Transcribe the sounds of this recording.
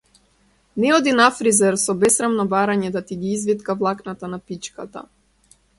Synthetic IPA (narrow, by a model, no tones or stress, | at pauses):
nɛɔd̪inafɾizɛɾsɔbɛsɾamnɔbaɾaɲɛd̪at̪iɡiizvit̪kavlˠaknat̪anapit͡ʃkat̪a̰